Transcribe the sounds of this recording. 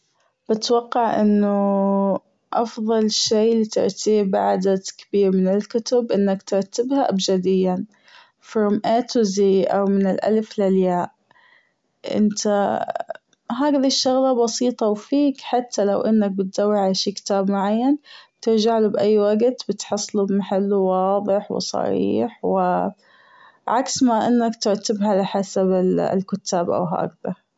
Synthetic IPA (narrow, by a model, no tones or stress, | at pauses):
b̥ɪt̪wɑqːɑʕʔɪ̰nːʊ | ʔɑ̰fðˤɑlʃeːlit̪ɪ̰ɾˤt̪iːbaʕd̪at̪kɪ̥biːɾmɪnɪlkʊt̪ʊbʔɪnːakt̪ɪɾˤt̪ɪbhaʔabd͡ʒad̪ɪjːan | fɪɾmʔaːt̪ʊziʔa̰wmɪnɪlʔa̰lflaljaːʔ | ʔɪ̰nt̪ʰa | ɦaːɡðiʃːʊɣlɑbɑsiːt̪ˤɑwfiːkħat̪ʰːalawʔɪnːak̚bɪt̪zawːiʕalaʃiːkɪ̥t̪aːbmʊʕajːant̪ɪɾd͡ʒaʕlubʔajːwaɡt̪bɪt̪ħɑsˤːlubmaħalːuwɑːðˤɨħwɪ̰sˤɑ̰ɾḭːħwɪ | ʕaksmaʔɪnːakt̪ɪɾt̪ɪbɦalɪħasabɪ̰lkʊt̪ːaːbʔa̰wɦa̰ːɡða